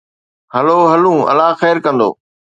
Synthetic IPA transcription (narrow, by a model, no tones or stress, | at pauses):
ɦəloːɦɐlũːɐ̰laːxɛːɾkɐ̃nd̪o̰ː